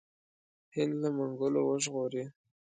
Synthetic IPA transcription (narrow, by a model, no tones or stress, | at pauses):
hɪnd̪lamʊŋɡʊlowəʒɣoɾi